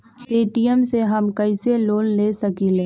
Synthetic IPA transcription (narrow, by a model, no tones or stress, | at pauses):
peːʈijəmseɦɐmkɐɪseloːlleːsɐkiːleː